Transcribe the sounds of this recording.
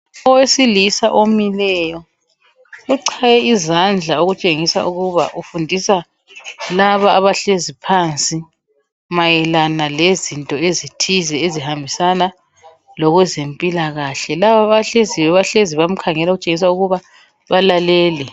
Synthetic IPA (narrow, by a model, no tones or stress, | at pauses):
ɔwesilisaʔomilɛjɔ | ɣuǀʰajɛizand͡ɮʱaoɣut͡ʃʼeŋisa̰ʔuɣuβa̰ʔufundʱisa | laβaːβaɬezipʰant͡sʼi | majɛlanalezintʼɔezitʰizɛezihambʱisana | lɔɣwɛzempʼilaɣaɬɛlaβaβaɬeziwɛβaɬeziβam̩kʰaŋɛlaoɣut͡ʃʼeŋis̬auɣuβa | βalalɛːlɛ